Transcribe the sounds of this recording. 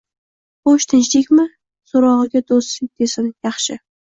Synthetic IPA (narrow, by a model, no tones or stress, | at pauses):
oʃt̪ʰɪnt͡ʃlekʲmɪ | soɾɒʁɨɡʲad̪ost̪ɪk̚ʲd̪̥esɪnjɑχʃɪ